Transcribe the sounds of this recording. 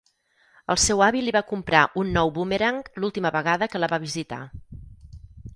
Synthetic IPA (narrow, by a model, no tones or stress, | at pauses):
ə̰lˠsɛwaβiliβakumpɾaʔunːɔwβumeɾaŋklulˠt̪iməβəɣaðəkələβaβ̞izit̪a̰